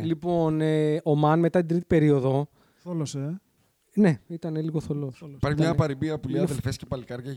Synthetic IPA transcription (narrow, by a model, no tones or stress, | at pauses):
lipo̞neomɐnme̞t̪ɐt̪id̪ɾit̪ipe̞ɾio̞ðo̞ | θlose | ne̞it̪ɐneliɣo̞θolospɐɾçimɲɐpɐɾibiɐpuliɐðelfescepɐlikɐɾʝɐ